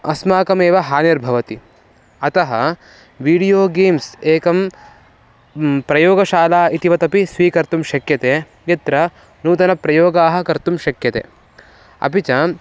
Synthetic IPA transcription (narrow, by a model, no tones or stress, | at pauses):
ɐsmaːkɐmeːʋɐɦaːneɾbʱɐʋɐt̪i | ɐt̪ɐɦɐ̰ | ʋiːɽijoːɡeːmseːkɐm | pɾɐjoːɡɐʃaːlaːit̪iʋɐt̪ɐpisʋiːkɐɾt̪umʃɐkjɐt̪eː | jɐt̪ɾɐ | nuːt̪ɐnɐpɾɐjoːɡaːɦɐ̆kɐɾt̪umʃɐkjɐt̪ḛː | ɐ̰pit͡ʃɐ